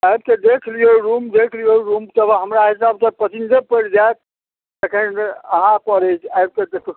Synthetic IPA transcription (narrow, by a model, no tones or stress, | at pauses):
ajb̚ked̪ekʰlijoɾumd̪ekʰlijoɾumt̪əbɦəmɾaɦisabsə̃pət͡ʃind͡ʒepəɽd͡ʒajt̪̚ | t̪ekʰənəɦãpəɾət͡ʃʰajb̚ked̪ekʰ